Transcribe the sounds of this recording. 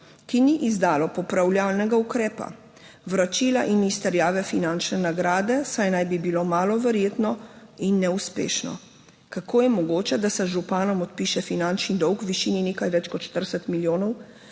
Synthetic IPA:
kiniʔizd̪aːlɔpɔpɾawljalnɛɡaukɾɛːpa̰ | ʋɾat͡ʃiːlaʔinist̪ɛɾjaːʋɛfinant͡ʃnɛnaɡɾaːd̪ɛsajnajbibilomaːlɔʋɛɾjeːt̪nɔinːɛuspḛːʃnɔ̰ | kakoːjɛmɔɡoːt͡ʃɛd̪asɛʒupaːnɔmɔt̪̚piʃɛfinant͡ʃnid̪ɔwkwʋiʃininekajʋɛt͡ʃkɔt̪ʃt̪əɾsɛt̪miljoːnɔw

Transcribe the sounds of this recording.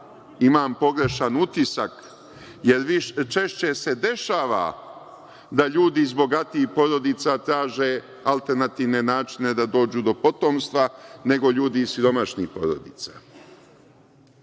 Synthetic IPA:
imaːmpo̞ɡɾe̞ʃanut̪isak | je̞ɾʋiʃt͡ʃe̞ʃt͡ɕe̞se̞d̪e̞ʃaːʋa̰ | d̪aʎuːd̪izbo̞ɡat̪iːxpo̞ɾo̞d̪it̪sat̪ɾaːʒe̞ | alˠt̪e̞ɾnat̪iʋne̞naːt͡ʃine̞d̪ad̪o̞ːd͡ʑud̪o̞po̞t̪o̞mst̪ʋane̞ɡo̞ʎuːd̪isjuɾo̞maʃnixpo̞̰ɾod̪it̪sa

